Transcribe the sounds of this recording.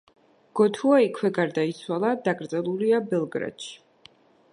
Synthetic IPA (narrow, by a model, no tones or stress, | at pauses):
ɡ̥ɔt̪ʰuaikʰwɛɡaɾd̪ait̪sʰwalˠad̪aɡɾd̪zʼɛlˠuliabɛlˠɡɾa̰t̪ʃi̥